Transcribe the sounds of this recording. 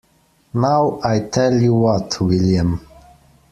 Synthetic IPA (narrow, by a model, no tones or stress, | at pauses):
nawajtʰɛljuwɔtʰwiljə̃m